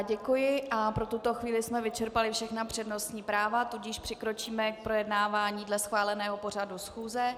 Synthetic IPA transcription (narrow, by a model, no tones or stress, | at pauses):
ɟɛkujɪʔapɾo̞t̪ut̪o̞xviːlɪsmɛvɪt͡ʃɛɾpalɪfʃɛxnapr̝̥ɛdno̞st̪ɲiːpɾaːvat̪uɟɪʃpr̝̥ɪkɾo̞t͡ʃiːmɛk̚pɾo̞jɛdnaːvaːɲiːdlɛsxvaːlɛnɛːɦo̞po̞r̝adusxuːzɛ